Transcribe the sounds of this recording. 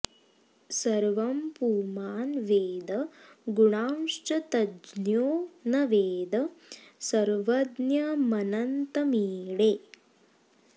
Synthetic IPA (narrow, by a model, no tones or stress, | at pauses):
sɐɾʋɐmpuːmaːnʋeːd̪ɐɡuɳaːmʂʈɐt̪ɐd͡ʒnjoːnɐʋeːd̪ɐsɐɾʋɐd̪njɐmɐnɐnt̪ɐmiːɽe